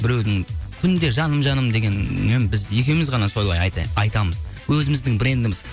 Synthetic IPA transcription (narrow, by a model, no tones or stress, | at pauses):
bɪɾe̞wd̪ɪŋkʲʰʏnd̪e̞ʒɑnəmʒɑnəmd̪e̞ɡʲe̞nmembɪzje̞kʲe̞wmɪzʁɑnɑso̞jlˠɑjɑɑjt̪ɑməzwɵzɪmɪzd̪ɪŋbɪɾe̞nd̪ɪmɪz̥